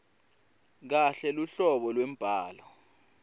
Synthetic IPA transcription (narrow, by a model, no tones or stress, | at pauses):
k̬aɬɛluɬɔɓɔlwem̩b̥ʱaːlɔ